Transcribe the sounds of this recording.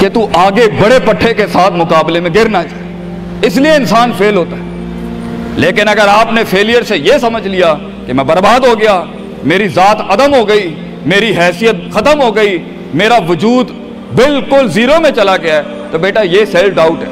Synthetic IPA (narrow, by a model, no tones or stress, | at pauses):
ket̪uʔaːɡebɐɽepɐʈʰːekesaːt̪ʰmʊkaːblemẽɡɪɾnat͡ʃaː | ɪs̬lieɪ̃nsaːnfʰeːlɦoːt̪aɦɛː | leːkɪnɐɡəɾaːpnefʰeːlijəɾsejesɐməd͡ʒʱlija | kemɛ̃bɐɾbaːd̪ɦoɡɐja | meːɾizaːt̪ʰɐd̪əmɦoɡɐi | meːɾiɦɛːsijət̪̚xɐt̪əmɦoːɡɐi | meːɾaʋʊd͡ʒuːd̪ | bɪlkʊlziːɾomẽt͡ʃɐlaɡɪjaɦɛ | t̪obeːʈajeːsɛlfɖaːʊʈɦɛː